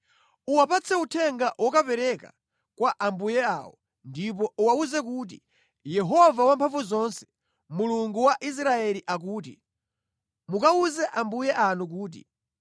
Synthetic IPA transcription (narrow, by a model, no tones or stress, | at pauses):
uwapat͡sʰɛutʰɛŋɡawʔɔkapɛɾɛka̰ | kwaʔambujɛa̰ːwɔ | ndip̬ɔuwauzɛk̬uːt̬i | jɛɦɔvawampʰaɱvuzɔnsɛ̥ | muluŋɡuwaʔis̬ɾaɛliʔak̬uːt̬ḭ | mukauzɛʔambujɛʔanuk̬uːt̬ḭ